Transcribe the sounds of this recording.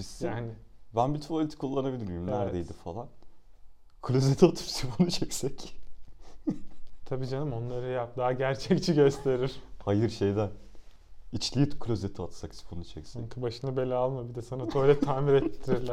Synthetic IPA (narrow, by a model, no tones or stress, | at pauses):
bisjaːnɪbænbit̪ʰpʰolʲit̪ʰi̥kʰulˠːanabilʲiɾimlʲæɾd̪ejd̪ifalˠan | kʰlʲøzet̪ʰiat̪ʰɯ̥psifʰonut͡ʃʰɛcsɛc | t̪ʰabiːd͡ʒanɯmo̞nlˠaɾɯjap̚d̪aːɟæɾt͡ʃʰɛct͡ʃʰiɟø̞st̪ʰe̞ɾiɾ̥hajɯɾʃejd̪æn | it͡ʃlʲijit̪kʰlʲøzet̪ʰiat̪saksi̥pʰonut͡ʃʰɛcsaɛŋkʰɯbaʃɯnɯbe̞lʲɛalˠmabid̪ɛsanat̪ʰoɾɛt̪ʰaːmiɾɛt̪ʰːiɾiɾlʲæ